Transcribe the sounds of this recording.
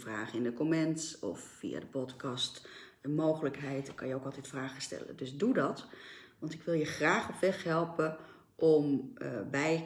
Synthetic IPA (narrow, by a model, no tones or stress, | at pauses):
fraːχəɪndəkomɛntɔ̰fːḭa̰dəpɔtkɑst | əmoːɣələkɦɛjtkʰɑnjəoːkɑlˠtɛtfraːɣəstɛ̰lə̰døsdudɔtʋɑntɪkʋɪlˠjəxraːxɔpʋɛxɦɛlˠpə | ʔɔmbɛj